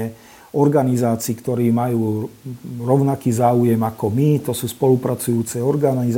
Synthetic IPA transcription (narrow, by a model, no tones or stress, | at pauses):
ɛ | ɔɾɡanizaːt͡siːkt̪ɔɾiːmajuː | ɾɔʊnakiːzaːujɛmakɔmit̪ɔsuːspɔlupɾat͡sujuːt͡sɛɔɾɡaniz